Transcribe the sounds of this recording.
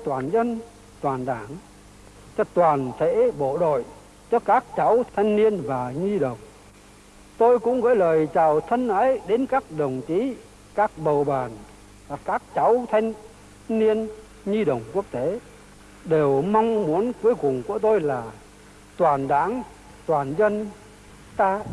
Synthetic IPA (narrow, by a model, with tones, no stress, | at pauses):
t̪waː˨˩nzə˧n | t̪waː˨˩nɗaː˧˩ŋ | t͡ɕɔ˧t̪waː˨˩nt̪ʰḛ˧˥ɓo̰˧˨ɗo̰˧˨j | t͡ɕɔ˧kaː˦˥k̚t͡ɕa˨˦wt̪ʰa˧jŋ̟ni˧ənvaː˨˩ɲi˧ɗə̰˨˩wŋ͡m | t̪o˧jkʊ̰˧˥ŋ͡mɣə̰ː˧˥jləː˨˩jt͡ɕaː˨˩wt̪ʰə˧nʔaː˨˦jɗe˨˦nkaː˦˥k̚ɗə˨˩wŋ͡mt͡ɕi˨˦ | kaː˦˥k̚ɓə˨˩wɓaː˨˩n | vaː˨˩kaː˦˥k̚t͡ɕa˨˦wt̪ʰa˧jŋ̟ | ni˧ən | ɲi˧ɗə̰˨˩wŋ͡mku˦˥ək̚t̪e˨˦ | ɗe˨˩wma˧wŋ͡mmu˨˦ənku˨˦jkʊ˨˩ŋ͡mku˧˩ət̪o˧jlaː˨˩ | t̪waː˨˩nɗa̰ː˧˥ŋ | t̪waː˨˩nzə˧n | t̪aː˧